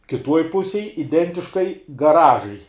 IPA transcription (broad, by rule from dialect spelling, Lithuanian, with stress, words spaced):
kʲɪˈtuɔj ˈpʊsʲeːj ɪˈdʲɛnʲtʲɪʃkɐɪ ɡɐˈrɑːʒɐɪ